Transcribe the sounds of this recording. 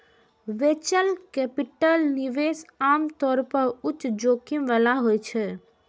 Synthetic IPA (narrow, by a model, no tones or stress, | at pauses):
ʋeːt͡ʃəlkɛpiʈəlniʋeːsaːmt̪ɔːɾpəɾʊt͡ʃːʃd͡ʒoːkimʋalaɦoːjt͡ʃʰɛ